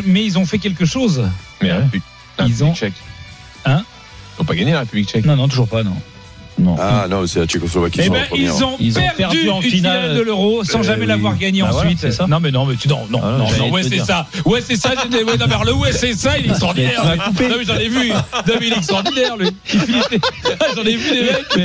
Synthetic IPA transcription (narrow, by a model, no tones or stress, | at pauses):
mɛilzɔ̃fɛk̬ʲɛlkəʃozmɛ | lilzɔ̃t͡ʃɛk | ɛ̃ | izɔ̃paɡaɲelaʁepyblik̚t͡ʃɛknɔ̃nɔ̃t̪uʒuʁpanɔ̰̃ | nɔ̰̃anɔ̰̃sɛlat͡ʃekɔslɔvakʲibɛ̃ilɛ̰zɔ̃ilzpɛʁpɛʁd̪dyyɑ̃yfinald̪əløʁossɑ̃ʒamɛlavwaʁɡaɲeɑ̃sɥit̪ɛsanɔ̃mɛnɔ̃mɛt̪yd̪ɑ̰̃nɔ̰̃nɔ̃nɔ̃wɛsɛsawɛsɛsaʒet̪ɛwɛnɔ̃mɛɔʁləwɛsɛsailɛkt̪χɑ̃ʁd̪kɛʁakuped̪ɔ̃mɛʒɑ̃nɛvyd̪ɔmilɛɛkst̪χɔʁd̪inɛʁliifilit̪eaiʒɑ̃nɛvyd̪emɛkmɛ